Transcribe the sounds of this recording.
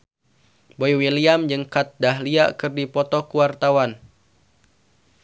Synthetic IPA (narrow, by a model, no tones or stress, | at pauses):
boiwiliamd͡ʒɨŋkat̪̚daɦliakɨrdipɔt̪ɔkuwart̪awan